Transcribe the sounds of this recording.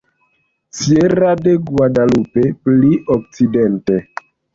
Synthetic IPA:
t͡sieɾadeɡwadalupepliʔok̚t͡sidente

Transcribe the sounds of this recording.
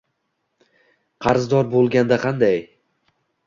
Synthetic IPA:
qʰɑɾzd̪ɒɾbolˠɡʲand̪aqʰɑnd̪aj

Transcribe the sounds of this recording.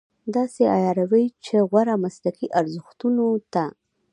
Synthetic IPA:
d̪ɑseajɑɾawəjt͡ʃeɣwaɾamaslakiʔaɾzʊxt̪unot̪a

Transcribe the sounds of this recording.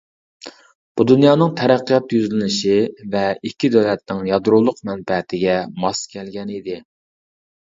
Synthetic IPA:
b̥ud̪unjɑːnɨŋt̪ʰɛɾæqːəjɑt̪jyzlɪnɪʃivɛikʲːid̪øwlɛt̪̚nɪŋjɑd̪ɾulˠʊqmɛnbɛt̪ʰɪɡʲɛmɑskʲʰɛlɡʲɛnid̪ɪ

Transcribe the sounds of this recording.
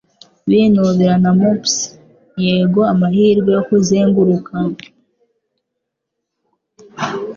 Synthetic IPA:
βinuβiɾanamops | jeːɡoamahiːɾɡejokuziːŋɡuɾuka

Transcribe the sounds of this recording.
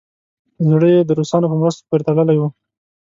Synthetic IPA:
zɽəjed̪əɾosɑnopəmɾəst̪o̥poɾet̪aɽəlajwu

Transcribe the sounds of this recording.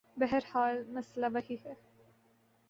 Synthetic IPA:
bɛɦəɾhaːlmɐslaʋɐhihɛː

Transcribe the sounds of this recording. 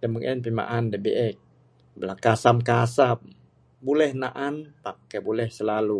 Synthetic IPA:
dəməŋʔɛnpima̰ʔandebeʔɛk̚ | blakasamkasam | bulɛhnaʔanpakːabulɛhsəlalu

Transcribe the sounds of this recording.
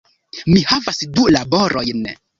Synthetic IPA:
mihavasdulaboɾʔojn

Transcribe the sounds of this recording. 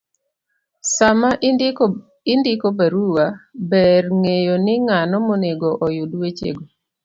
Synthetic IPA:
sama | ɪndɪkobaɾuwabɛrŋejonɪŋanɔmoneɡoʔɔjudwet͡ʃḛɡo

